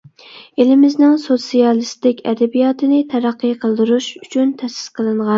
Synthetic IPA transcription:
elɪmɪznɪŋsot̪sijɑlˠɨst̪ɪkʲɛ̰d̪ɛbijɑːt̪ɨnɪt̪ʰɛɾæqːɨqʰəlˠd̪uɾuʃyt͡ʃʰynt̪ʰɛsɪ̥zqʰəlˠɨɴʁɑn

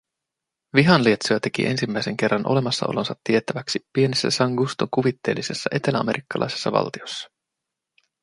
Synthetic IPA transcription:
ʋiɦɑnliet̪soæt̪e̞kḭʔe̞̰nsimːæijse̞ŋk̟e̞rːɑnʔole̞mɑsːɑʔo̞̰lo̞nsɑt̪ːie̞t̪æʋæksipːie̞nesːæ̰sɑŋɡust̪oŋkuʋit̪ːe̞ːlːise̞sːɑʔe̞t̪e̞læɑme̞ɾʔikːɑlʔɑ̰jsesːɑʋɑ̰lt̪io̞sːɑ̥

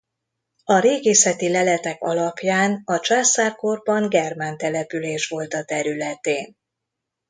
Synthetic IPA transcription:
ɒɾeːɡeːsɛt̪ilɛlɛt̪ɛkɒ̰lɒpjaːnɒt͡ʃaːsaːrko̞rbɒŋɡɛrmant̪ɛlɛpyleːʃʋo̞lt̪ɒt̪ɛɾylɛt̪eːn

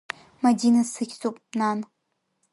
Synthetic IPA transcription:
madinasɨkʲt͡sʼopʼnan

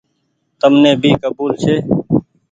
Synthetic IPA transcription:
t̪əmnẽːbʱiːkəbuːlt͡ʃʰeː

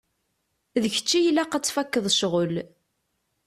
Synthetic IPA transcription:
ðəçə̥t͡ʃːijlæqat͡sːfækːəðˤʃʁəl

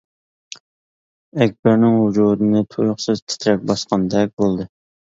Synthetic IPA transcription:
ɛk̚ʲbæɾnɪŋhud͡ʒuɾɨnɨt̪ʰujʊχsɨzt̪ʰɪ̥t̪ʰɾɛk̚ʲbɑsqɑnd̪ɛk̚ʲbolˠd̪ɨ

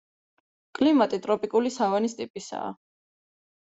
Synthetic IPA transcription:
kʼlimat̪ʼit̪ʼɾɔpʼikʼulisavanist̪ʼipʼisa̰ː

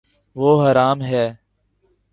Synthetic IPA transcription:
ʋoːɦəɾaːmɦɛː

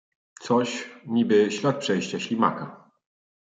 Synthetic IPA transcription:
t̪sɔɕɲibɘɕlʲat̪̚pʂɛjɕt͡ɕaɕlʲima̰ka

